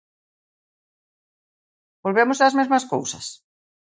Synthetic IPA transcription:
bolβemosazmezmasko̰wsas

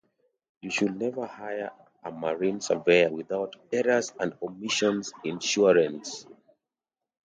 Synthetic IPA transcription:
juʃudnɛvə˞hajə˞ | əmaɹĩnsəvejəwiðaʊtɛɹəzə̃ndɔmiʃɔ̃nzĩnʃuɹə̃ns

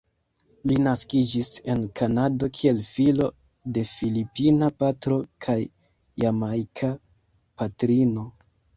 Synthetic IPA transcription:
linaskid͡ʒise̞nkʰanado̞kʰie̞lfilo̞ | de̞filipinapatɾo̞kʰajː | amajkʰa | patɾino̞

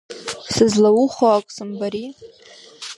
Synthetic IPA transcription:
sɨzlawuχaakʷʼsɨmbaɾi

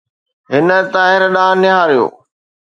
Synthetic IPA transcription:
ɦɪnə̆t̪aːɦɪɾɗãːnɪɦaːɾijo̰ː

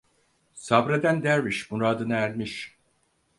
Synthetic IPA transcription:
sabɾad̪ænd̪æɾviʃmuɾaːd̪ɯnɯæɾmiʃ

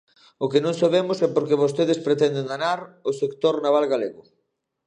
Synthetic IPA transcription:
ʊkenõŋsaβemʊsɛpoɾkeβost̪eð̞espɾet̪ɛnd̪eŋd̪anaɾʊsekt̪oɾnaβalɣaleɣʊ

